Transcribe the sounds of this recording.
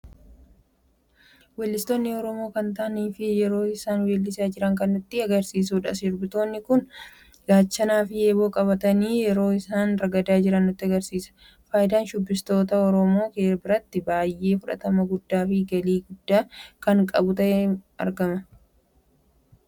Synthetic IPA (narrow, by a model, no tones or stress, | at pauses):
wɛːlːɪst̪oːnːɪɔɾɔmo̞ːkɐnt̪ɐʔniːfɪjɛɾo̞ːɪsaːnweːlːɪsaːd͡ʒɪɾɐŋkɐnːʊt̪ːɪɐɡɐɾsiːs̬uːᶑɐsɪɾbɪt̪o̞ːnːɪkʊn | ɡaːt͡ʃːɐnaːfɪeːbo̞ːkʼɐβɐt̪ɐniːjɛɾo̞ːɪsaːnɾɐɡɐd̪aːd͡ʒɪɾɐnːʊt̪ːɪɐɡɐɾsiːsɐ̥ | faːjɪd̪aːnʃʊbːɪst̪o̞ːt̪ɐɔɾɔmo̞ːkeːɾbɪɾɐt̪ːɪbaːjʔe̞ːfʊᶑɐ̰t̪ɐmɐɡʊd̪ːaːfɪɡɐliːɡʊd̪ːaːkɐŋkʼɐ̰bʊt̪ɐʔɛɐ̰ɾɡɐmɐ